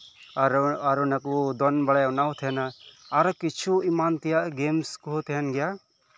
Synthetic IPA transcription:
ɾaɾunakud̪ɔnbaɽajɔnawt̪ʰɛɛnaaɾɔkit͡ʃʰuimant̪ijaʔɡemskuɦot̪ʰɛɦɛnɡɛja

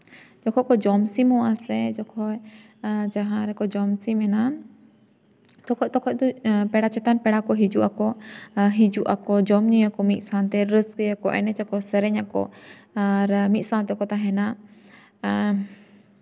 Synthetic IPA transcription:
d͡ʒɔkʰɔkɔd͡ʒɔmsimɔasɛd͡ʒɔkʰɔj | d͡ʒaɦãɾɛkɔd͡ʒɔmsimɛna | t̪ɔkʰɔt̪ɔkʰɔc̚d̪ɔpɛɽat͡ʃɛt̪anpɛɽakɔɦid͡ʒuʔakɔɦid͡ʒuʔakɔd͡ʒɔmɲijakɔmit̪̚ˀsant̪ɛɾəskəjakɔʔɛ̰nɛt͡ʃakɔsəɾɛɲakɔ̰ | aɾmit̪̚sant̪ɛkɔt̪aɦɛna

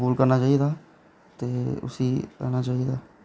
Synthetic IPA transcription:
buːlkəɾnaːt͡ʃaːid̪aː | t̪eːʊ̰siːkə̰ɾnaːt͡ʃaːid̪aː

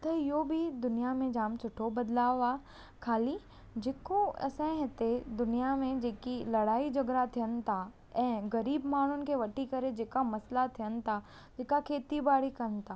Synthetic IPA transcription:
t̪ɐɪjobʱid̪ʊnijamẽd͡ʒaːmt͡ʃʰʊʈʰːobɐd̪laːʋaː | kʰaːli | d͡ʒeːkoɐ̰sɛ̃ɦɪt̪ed̪ʊnijamẽd͡ʒeːkilɐɽaːid͡ʒɐɡɾat̪ʰijən̆t̪ʰa | ɛ̃ːɡɐɾiːbmaːɳ̤ʊnɪ̆kʰeʋɐʈikɐɾed͡ʒeːkamɐslat̪ʰijənt̪ʰa | d͡ʒeːkakʰeːt̪ibaːɽikɐn̆t̪ʰaː

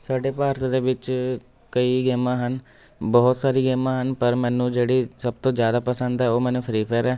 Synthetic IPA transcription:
saːɖeːpaːɾt̪ːd̪eːʋɪt͡ʃ | kəiːɡeːmãːɦən | bɔːt̪saːɾiːɡeːmãːɦənpəɾmɛːnũːd͡ʒeːɽiːsəb̚t̪õːd͡ʒjaːd̪aːpəsənd̪ɛːoːmɛ̃ːnũːpʰɾiːpʰəːɾɛː

